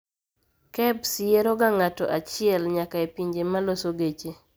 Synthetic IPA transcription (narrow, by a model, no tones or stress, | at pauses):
kɛbsɪeɾoɡaŋatɔ̰ʔat͡ʃɪɛlɲakaepiɲd͡ʒemalosoɡet͡ʃe